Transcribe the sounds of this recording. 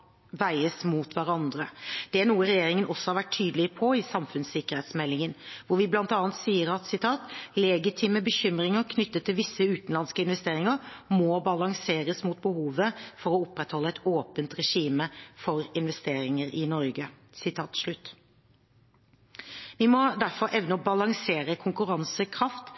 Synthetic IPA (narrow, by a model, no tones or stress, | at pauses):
ʋæɪəsmut̪ʋæɾɑnd̪ɾəd̪̥ɛænuːəɾɛjeːɾɪŋənʔɔsːɔhɑɾʋæʈʰːyːd̪əlɪpʰɔɪsɑmfʉnsɪkːəʁhɛeːt̪smɛlːɪŋənʋʊɾʋɪblɑnt̪ɑːnt̪siːəɾɑt̪sɪt̪ʰɑːt̪lɛɡɪt̪ʰiːməbəçʏmɾɪŋəɾkʰnʏt̪ːət̪ʰːɪlʋɪsːəʉːt̪n̩lɑnskəɪn̪ʋɛst̪eːɾɪŋəɾmɔbɑlɑŋseːɾəsmut̪̚bəhuːʋəfɔɾɔʊpːɾɛt̪hɔlːəɛt̪oːpənt̪ɾɛʂiːməfɔɾɪnʋɛst̪eːɾɪŋəɾɪnɔɾɡə | sɪt̪ʰɑːt̪ʂɭʉt̪ː | ʋɪmɔd̪æɾfɔɾʔɛʋnəɔbɑlɑŋseːɾəkʰʊŋkʉɾɑnsəkʰɾɑft̪